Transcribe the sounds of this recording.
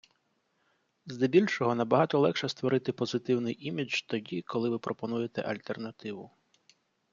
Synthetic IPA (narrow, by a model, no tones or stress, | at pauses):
zd̪ebʲilʲʃɔɦɔnɐbɐɦɑt̪ɔlˠɛkʃɛst̪ʋɔɾɪt̪ɪpɔzɪt̪ɪwnɪjʔimʲit͡ʃt̪ɔdʲikɔlˠɪʋɪpɾʔɔpɔnujet̪ɛ̰ʔɐlʲt̪ernɐt̪ɪʋʊ